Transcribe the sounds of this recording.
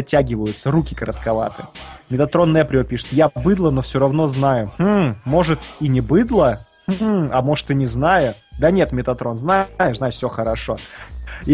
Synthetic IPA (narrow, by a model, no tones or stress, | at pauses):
ɐtʲæɡʲɪvəjʊt̪səɾukʲɪkəɾət̪kɐva̰t̪ɨ̰mʲɪt̪ɐt̪ɾo̞nːɛpɾʲɪopʲiʂɨ̥t̪jabɨd̪lˠəno̞fsʲoɾɐvn̪o̞znajʊx̩mo̞ʐɨt̪inʲɪbɨd̪lˠə | ɐmo̞ʂt̪ːɨnʲɪznajʊ | d̪anʲet̪mʲɪt̪ɐt̪ɾo̞nznajɪʂznaɪʂfsʲoxəɾɐʂo̞i